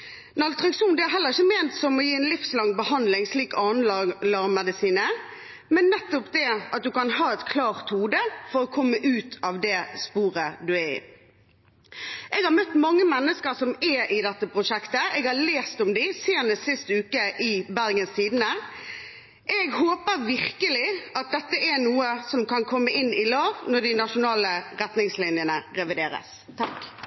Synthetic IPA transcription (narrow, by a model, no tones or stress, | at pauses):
nɑlt̪ʁɑkʃuːnd̪ɪæɾɦɛləʁɪçəmeːnt̪sɔmɔjiːɛnlɪfslɑŋbəhɑnd̪lɪŋsliːkɑːnllɑʁmɛd̪ɪsiːnə | mɛnːɛt̪ːɔpd̪ɛʔɑt̪̚d̪ʉkɑnhɑːɛt̪kʰlɑːʁt̪huːd̪əfɔɾɔkʰɔmːəʔʉːt̪ʰɑːʋd̪ɛspuːɾəd̪ʉæɪ̰ | ʔɛɡhɑɾmœt̪ːmɑŋːəmɛnːəskəɾsɔmɛʔɪd̪ɛt̪ːəpʰɾʊʂɛkt̪əɛɡhɑleːst̪ɔmd̪ɪseːnəst̪sɪst̪ʉːkəʔɪbæɾɡənst̪iːd̪n̩ə | ʔɛɡhoːpəɾʋɪʁkəlɪɑt̪̚d̪ɛt̪ːəʔɛnuːəsɔmkɑnkʰɔmːəʔɪnːɪlɑːʋnɔɖ̪ɪnɑʃʊnɑːləʁɛt̪nɪŋslɪnjənəʁɛʋɪd̪eːɾə̰s | t̪ʰɑk